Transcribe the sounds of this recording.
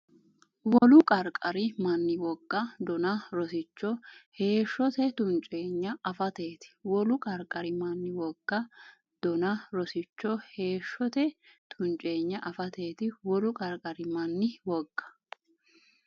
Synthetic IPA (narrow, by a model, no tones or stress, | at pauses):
wɔlʊkʼɐɾkʼɐɾɪmɐnːɪwɔɡːɐd̪ɔnɐɾɔsɪt͡ʃːɔhe̞ːʃːɔt̪ɛt̪ʊnt͡ʃʼe̞ːɲːɐɐfɐt̪e̞ːt̪ɪ̥wɔlʊkʼɐɾkʼːɐɾɪmɐnːɪwɔɡ̥ːɐ | d̪̥ɔnɐɾɔsɪt͡ʃːɔhe̞ːʃːɔt̪ɛt̪ʰʊnt͡ʃʼe̞ːɲːɐʔɐfɐt̪e̞ːt̪ɪwɔlʊkʼɐɾkʼɐɾɪmɐnːɪwɔɡ̥ːɐ̥